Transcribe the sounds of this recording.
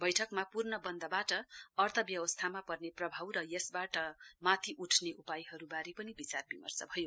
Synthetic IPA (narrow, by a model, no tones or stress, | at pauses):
bʌjʈʰʌkmapurnʌbʌnd̪ʌbaʈʌʌrt̪ʰʌbjʌwʌst̪ʰamapʌrneprʌbʱawɾʌjʌsbaʈʌmat̪ʰiʔuʈʰneʔupajɦʌɾubaɾipʌnibit͡sarbimʌ̰rt͡sʌbʱʌjo